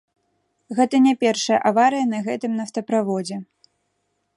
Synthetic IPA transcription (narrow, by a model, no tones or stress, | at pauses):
ɣɛt̪ɐnʲɛpʲɛrʂɐjɐ̰ʔavaɾɨjɐnɐɣɛt̪ɨmnɐft̪ɐpɾavɔd͡zʲɛ